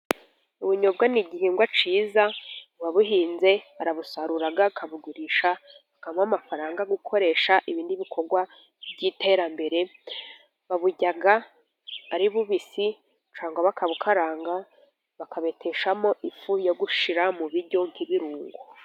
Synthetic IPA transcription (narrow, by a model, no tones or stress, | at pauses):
uβuɲobɡaniɟihiːŋɡwat͡ʃiːzawaβuɦiːnze̞aɾaβusaɾuɾaɡakʰaβuɡuɾiʃa | akamamafaɾaːŋɡaɡukʰo̞ɾe̞ːʃaʔiβiːndiβikʰo̞ɾɡwa | vɟite̞ːɾambe̞ɾe̞ | βaβuɟaɡa | aɾiβuβisi | t͡ʃaːŋɡwaβakʰaβukʰaɾaːŋɡa | βakʰaβe̞tʰeʃamo̞ʔifujoɡuʃiɾamuβiɾɟo̞ŋ̥kiβiɾuːŋɡo